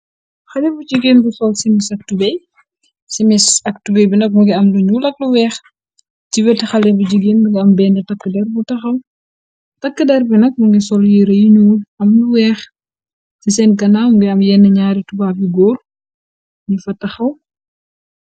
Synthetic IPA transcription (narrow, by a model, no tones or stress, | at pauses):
xɐlɛfud͡ʒiɡenbusɔlsimisɐk̚tubɛj | simisɐk̚tubɛjbinɐk̚muɡiɐmluɲulɐk̚luwɛːx | ciwɛtixɐlɛbud͡ʒiɡenmuɡiɐmbɛːnɛtɐkːədɛrbutɐxɐw | tɐkːədɛɾbinɐk̚muɡisɔljiɾɐjiɲuːɐmluwɛːx | sisɛnɡɐnaːmuŋɡiɐmjɛnːɐɲaːɾitubaːfiɡoːl | ɲifɐtɐxɐw